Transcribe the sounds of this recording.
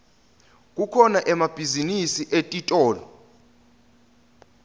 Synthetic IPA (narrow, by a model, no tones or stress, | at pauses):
k̬ʼukʰɔnaʔɛmab̥ʱizinisiʔetʼitʼɔːla̰